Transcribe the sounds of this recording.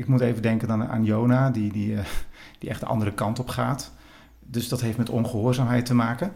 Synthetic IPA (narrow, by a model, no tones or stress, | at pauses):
ɪkmutejvədɛŋkəna̰ːnjownaːdidi | d̥iʔɛχd̥ə̰ʔɑ̰ndərəkɑntɔpχaːt | dɵsdɑtɦejftmɛtɔnχəɦoːɹzaːmɦɛjtəmaːkən